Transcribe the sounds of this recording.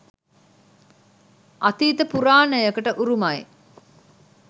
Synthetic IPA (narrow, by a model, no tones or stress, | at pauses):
ʔɐt̪iːt̪əpuɾaːnəjəkəʈəʔuɾumɐj